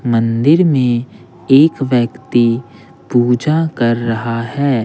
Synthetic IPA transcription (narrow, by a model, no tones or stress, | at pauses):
mə̃nd̪ɪɾmẽ | eːkʋjəkt̪i | puːd͡ʒakɐɾːɐɦahɛː